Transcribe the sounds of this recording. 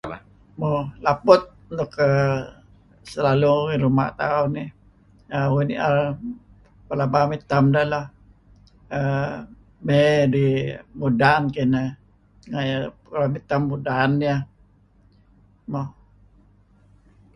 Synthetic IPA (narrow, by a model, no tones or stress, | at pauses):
molapʊt̪̚nʊkə | səlaluiɾuma̰ʔt̪a̰ʊnːi | awunḭa | pəlabamit̪amdəlah | ə | medimudankinə | ŋajakəlamit̪amːudaːnːa | mo